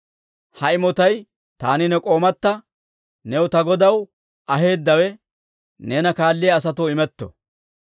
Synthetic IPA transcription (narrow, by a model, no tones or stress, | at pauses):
hɐɪmɔt̪ɐj | t̪aːnɪnɛkʼo̞ːmɐt̪ːɐ | nɛwʊt̪ɐɡɔd̪ɐw | ʔɐɦe̞ːd̪ːɐwɛ | ne̞ːnɐkaːlːɪjɐːs̬ɐt̪uːɪmɛt̪ːɔ̰